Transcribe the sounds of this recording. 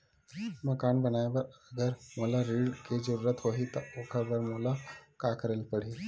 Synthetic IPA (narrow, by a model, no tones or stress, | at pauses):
məkaːnbənaːjbəɾəɡəɾmoːlaɾiːɽked͡ʒəɾuːɾət̪ɦoːɦit̪ɐokʰəbəɾmoːlakakəɾəlpəɽ̤iː